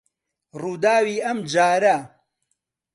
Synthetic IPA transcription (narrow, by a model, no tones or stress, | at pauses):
ruːd̪aːwiːʔɐmd͡ʒaːɾɐ